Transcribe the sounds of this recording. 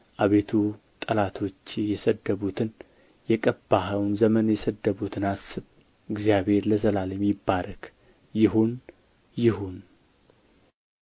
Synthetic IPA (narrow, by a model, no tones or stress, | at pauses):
ʔaβe̞t̪ʰu | t̪ʼəlat̪ʰo̞t͡ʃːjɛsəd̪ːəβut̪ʰɨn | jɛkʼəbːaɦəwnzəmənjɛsəd̪ːəβut̪ʰɨnasːɨβ | ɨɡzijaβhe̞ɾləzəlaljɛmːibːaɾk | jɪɦun | jɪhun